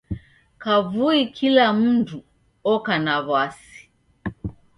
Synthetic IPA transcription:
kavuikʰilam̩ndu | ɔkanaβwasi̥

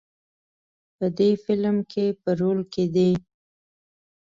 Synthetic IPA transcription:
pəd̪efɪlmkʰepəɾolked̪e

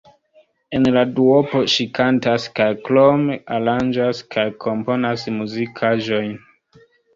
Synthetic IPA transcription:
e̞nladuopo̞ʃikʰantaskajklomeʔaɾand͡ʒaskʰajkʰo̞mpo̞nasmuzikʰaʒo̞jn

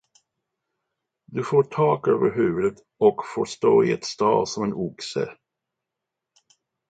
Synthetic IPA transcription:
d̪ɵfoːʈʰɑːkøːvəɾɦʉ̟ːvɵd̪ət̪ | ɔkfoːʂt̪oːɪɛt̪st̪ɑːlsɔmɛnʊksə̰

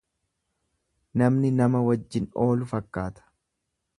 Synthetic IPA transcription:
nɐmnɪnɐmɐwɐd͡ʒːɪno̞ːlʊfɐkːaːt̪ɐ̥

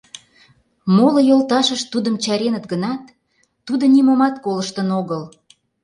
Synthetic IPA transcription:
molŏjolt̪ɑʃəʃt̪ud̪əmt͡ɕɑɾenət̪ɡənɑt̪ː | ud̪onimomɑt̪koləʃt̪ənoɣəl

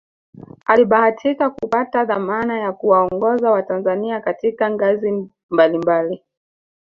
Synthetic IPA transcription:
aliɓahatʰikakupataðamanajakuwaɔŋɡɔzawatanzaniakatikaŋɡazi | mbalimbali

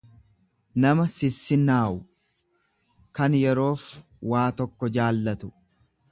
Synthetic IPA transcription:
nɐmɐsɪsːɪnaːʔʊ | kɐnjɛɾo̞ːf | waːt̪ɔkːɔd͡ʒaːlːɐt̪ʊ̥

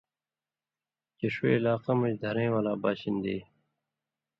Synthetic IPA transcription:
keʂwḛːlaːqɐmɐd͡ʑd̪ʱɐɾẽːwalaːbaːɕind̪ḛː

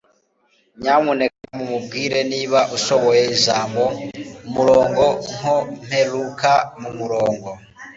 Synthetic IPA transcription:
ɲamunekamumubɡiːɾe̞niːβaʔuso̞βo̞jeiʒaːmbomuɾo̞ːŋɡo̞ŋ̥om̥he̞lukamumuɾoːŋɡo̞

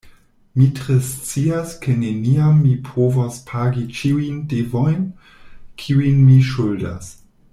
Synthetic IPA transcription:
mitɾest͡siaskeneniamːipʰovaspʰaɡit͡ʃiujndevojn | kʰiuijnmiʃulda̰s

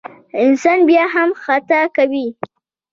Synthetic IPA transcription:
ɪnsɑnbjɑɦamxat̪akawi

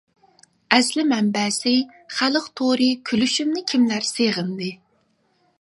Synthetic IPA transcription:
ɛslɪmɛmbɛːsɪ | χælˠəqt̪ʰoɾɨkʲʰylyʃymnɪkʲʰimlæɾseʁənd̪ɨ

